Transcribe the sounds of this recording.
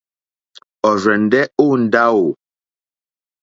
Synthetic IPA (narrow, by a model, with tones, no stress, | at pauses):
ɔ˨ɾɛ˨n˨dɛ˦o˦n̩˨da˦o˨